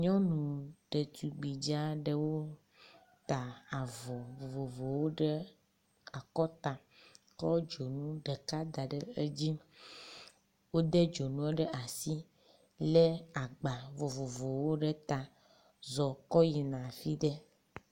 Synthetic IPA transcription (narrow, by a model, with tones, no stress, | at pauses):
ɲɔ̃˦nũ˨ɖe˨t̪u˨ɡ͡bi˨d͡ʒa˦ɖe˦wo˦ | t̪a˨a˨vɔ˨vo˨vo˨vo˨wo˦ɖe˦ | a˨kɔ˦t̪a˨ | kɔ˦d͡ʒo˨nũ˦ɖe˨ka˦d̪a˨ɖe˦e˦d͡ʑi˦ | wo˦d̪e˦d͡ʒo˨nũ˦ɛ˦ɖe˦ʔa˨si˦ | le˦a˨ɡ͡ba˨vo˨vo˨vo˨wo˦ɖe˦t̪a˨ | zɔ˨kɔ˦ji˨nã˨fi˦ɖe˦